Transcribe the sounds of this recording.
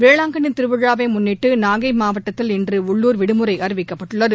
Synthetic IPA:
ʋeːɭaːŋɡɐnɪnt̪ɪɾɯʋɯɻaːʋɐɪmʊnːɪʈːɯnaːɣɐɪmaːʋɐʈːɐt̪ːɪlɛndrɯʊɭːuːɾʋɪɽɯmɯɾɐɪʔɐɾɯʋɪkːɐpːɐʈːɯɭːɐðɯ

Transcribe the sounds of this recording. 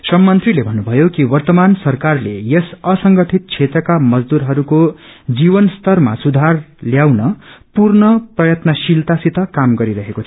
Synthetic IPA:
sʌmːʌnt̪rilebʱʌnːubʱʌjokiwʌrt̪ʌmansʌrkarlejʌsʌsʌŋɡʌʈʰit̪̚t͡sʰet̪ɾʌkamʌd͡zd̪uɾɦʌɾukod͡ziβʌnst̪ʌrma̰sud̪ʱarljawnʌpurnʌprʌjʌt̪nʌsilt̪asit̪ʌkamɡʌɾiɾʌɦekot͡sʰ

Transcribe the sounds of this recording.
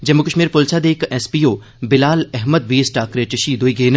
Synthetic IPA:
d͡ʒɐmːukəʃmiːɾpolt͡ʃʰad̪eːkɛspiːoː | bɪlaːlɛɦməd̪ʋiːsʈaːkɾeʈɪʃid̪oːiɡeːn

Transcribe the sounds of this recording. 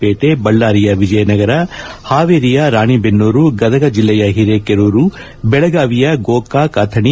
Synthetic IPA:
eːʈebɐɭːaːɾijɐʋid͡ʒɐjɐnɐɡɐɾɐhaːʋeːɾijɐɾaːɳibenːuːɾuɡɐd̪ɐɡɐd͡ʒilːɐjɐɦiɾeːkeɾuːɾu | bɛɭɐɡaːʋijɐɡoːkaːkaːt̪ʰɐɳi

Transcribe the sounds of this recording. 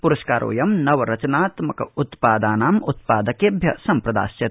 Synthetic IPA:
puɾɐʃkaːɾʔo̰ːjɐmnɐʋɐɾɐt͡ʃɐnaːt̪mɐkɐut̪paːd̪aːnaːmut̪̚paːd̪ɐkebʱjɐ̰sɐmpɾɐd̪a̰ːsjɐ

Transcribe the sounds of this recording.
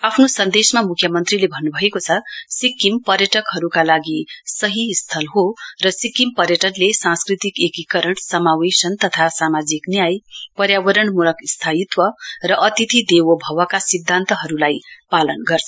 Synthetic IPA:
apʰnosʌnd̪esmamukʰjʌmʌnt̪rilebʱʌnːubʱʌekot͡sʰʌsikːimpʌrjʌʈʌkɦʌɾukalaɡisʌɦist̪ʰʌlɦorʌsikːimpʌrjʌʈʌnlesãnskrit̪ikekikʌɾʌɳsʌmawesʌnt̪ʌt̪ʰasamad͡ziknijajpʌɾjawʌɾʌɳmulʌkst̪ʰajit̪wʌrʌʔʌt̪it̪ʰid̪ewʌbʱʌwʌkasid̪ʱːant̪ʌɦʌɾulajpalʌnɡʌrt͡sʰʌ

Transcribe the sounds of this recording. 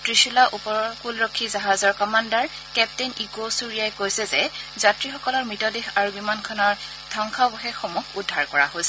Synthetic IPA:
tɹiʃulaʔupɔkulɹɔkʰːizaɦazɔɹkɔmandaɹ | kɛp̚teniɡosuɹijaɛkojsɛzɛzatɹixɔkɔlɔɹmɹitɔdexaɹubimankʰɔnɔɹ | dʱɔŋkʰabɔxɛxːomuxʰudʱːaɹkɔɹa̰ɦojsɛ

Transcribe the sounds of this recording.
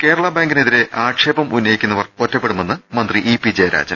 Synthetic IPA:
ke̞ːɾɐɭɐbaːŋɡineðiɾe̞ʔaːʈʂeːbɐmʔunːɐjikʲːunːɐʋɐrotːɐpːe̞ɽume̞nːɨmɐnd̪riʔipid͡ʑeɾa̰ːd͡ʑɐ̰m

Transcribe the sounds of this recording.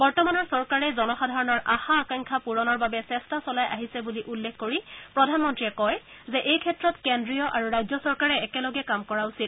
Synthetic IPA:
bɔɹtɔmanɔɹsɔɹkaɹɛzɔnɔxadʱaɹɔnɔɹʔaxaːkaŋkʰapuɹɔnɔɹbabɛsɛstasɔlajʔaɦisɛbuliʔulːekʰkoɹipɹɔdʱanmɔntɹiɛkɔjzɛʔejkʰɛtɹɔtkendɹijɔʔaɹuɹajzɔsɔɹkaɹɛɛkɛlɔɡɛkamkɔɹausit

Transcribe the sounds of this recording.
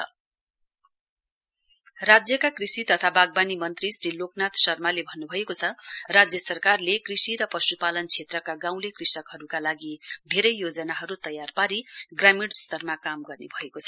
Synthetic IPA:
rad͡zjʌkakrisit̪ʌt̪ʰabaɡ̚banimʌnt̪risɾiloknat̪sʌrmalebʱʌnːubʱʌekot͡sʰʌrad͡zjʌsʌrkarlekrisiɾʌpʌsupalʌnt͡sʰet̪rʌkaɡãw̃lekrisʌkɦʌɾukalaɡid̪ʱeɾʌjːod͡zʌnaɦʌɾut̪ʌjarpaɾiɡramiɽst̪ʌrmakamɡʌrnebʱʌekot͡sʰʌ

